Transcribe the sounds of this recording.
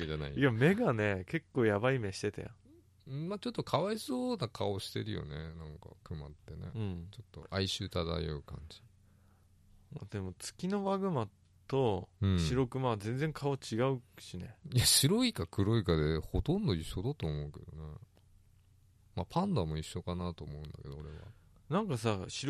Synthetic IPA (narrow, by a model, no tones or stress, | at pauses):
ed͡ʑana̰iiame̞ɡane̞ke̞kːo̞ːjabaime̞ɕi̥t̪e̞t̪a̰jã̰ | maːt͡ɕo̞t̪ːo̞kʰaβaisoːnakʰao̞ɕi̥t̪e̞ɾɯ̟jo̞̰nenãŋka̰kɯ̟ma̰t̪ːe̞nḛɯ̟̃ɴt͡ɕo̞t̪ːo̞̰ʔaiɕɨːt̪ad̪a̰jo̰ɯ̟kã̰ɲ̟d͡ʑi̥ | mad̪e̞mo̞t͡sɨ̥kʲino̞βaɡɯ̟ma | t̪o̞ɯ̟̃ɴɕiɾo̞kɯ̟mad͡zẽ̞nd͡zẽ̞ŋkʰao̞t͡ɕiɡaɯ̟ɕine̞̰ijaɕiɾo̞ikakɯ̟ɾo̞ikad̪e̞ho̞t̪õnd̪o̞iɕːo̞d̪at̪oːmo̞ɯ̟ke̞̰d̪o̞̰ne | mapʰãnd̪amo̞iɕːo̞kanat̪o̞ːmoɯ̟̃nd̪a̰ke̞d̪o̞oɾe̞̰βa̰ | nãŋkasaɕi